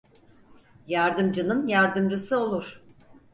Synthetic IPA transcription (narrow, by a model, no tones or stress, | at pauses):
jaɾd̪ɯmd͡ʒɯnɯnjaɾd̪ɯmd͡ʒɯsɯo̞lˠuɾ̥